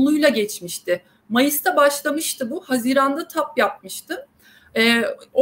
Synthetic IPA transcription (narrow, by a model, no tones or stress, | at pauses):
nˠujlˠaɟɛt͡ʃmiʃt̪ʰɪ | majɯst̪ʰabaʃlˠamɯʃt̪ɯbuhaziːɾand̪at̪ʰapjap̚mɯʃt̪ʰɯ | ɛːo